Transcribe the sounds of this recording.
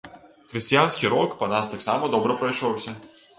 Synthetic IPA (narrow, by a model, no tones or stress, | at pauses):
xɾɨsʲtʲijansʲkʲiɾɔkpɐnast̪aksamɐd̪ɔbɾɐpɾɐjʂɔwsʲɐ